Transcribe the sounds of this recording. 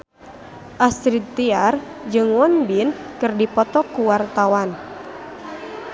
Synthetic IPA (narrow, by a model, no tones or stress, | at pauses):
ʔast̪ɾid̪̚t̪iard͡ʒɨŋwɔnbinkɨrdipɔt̪ɔkuwart̪awan